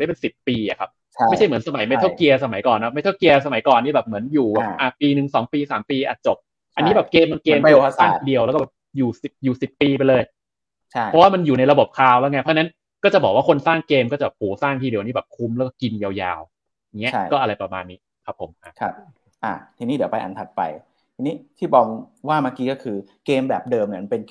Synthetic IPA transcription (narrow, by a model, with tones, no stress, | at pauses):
da˥˩pe˧nsi˨˩pːiː˧ʔa̰˨˩kʰa˦˥p̚ʰ | jt͡ɕʰa˥˩jmɯ˩˦nsa˧ma˨˩˦jma˧˩jtʰa˥˩ki˧ɐsa˧ma˨˩˦jkɔː˨˩nːa˦˥m˥˩jt̪ʰa˥˩wki˧ɐsa˧ma˨˩˦jkɔː˨˩nːiː˥˩bɛː˨˩p̚mɯ˩˦ənjuː˨˩˨ʔa˨˩piː˧nɯ˨˩ŋsɔː˩˦ŋpiː˧saː˨˩˦mpiː˧ʔa̰˨˩t͡ɕo˨˩p̚ | a˧niː˦˥bɛː˨˩p̚keː˧mːa˧nkeː˧m˧saː˥˩ŋ˩t̪iː˧˩di˧əwlɛ˦˥kɔ˥˩bɛː˨˩p̚juː˨˩si˨˩p̚juː˨˩si˨˩pːiː˧pe˧jlɤː˧jʰ | ɔ˦˥waː˥˩ma˧njuː˨˩na˧jɾa˧bo˨˩p̚kʰaː˧wlɛ˦˥˩ŋa˦˥˩pʰɔ˦˥t͡ɕːna˦˥n | kɔː˥˩t͡ɕa˨˩bɔː˨˩k̚waː˥˩o˧nsaː˥˩ŋkeː˧mkɔː˥˩t͡ɕa˩bɛ˨˩p̚huː˩˦saː˥˩ŋt̪ʰiː˧˩di˨˩ʔniː˦˥˩bɛː˨˩p̚kʰu˧˦˥mlːwkɔː˥˩ki˧nja˧wja̰ː˧w | ŋːi˦˥ɐ˦a˥˩jkɔː˥˩ʔɾa˧jpɾa˧ma̰ː˧nːiː˦˥ | kʰa˦˥pʰːo̰˨˩˦mʔa˨˩kʰa˦˧p̚ | ʔa̰ː˨˩t̪ʰiː˧niː˦˥˩di˩˦wpa˧jʔa̰˨˩nt̪ʰa˨˩t̪̚pa̰˧j | t̪ʰiː˧niː˦˥t̪ʰiː˥˩bɔː˧ŋwaː˥˩maː˧˥kiː˦kɔː˥˩kʰɯː˧ | keː˧mbɛː˨˩p̚dɤː˧mni˧˩˨m˧pe˧n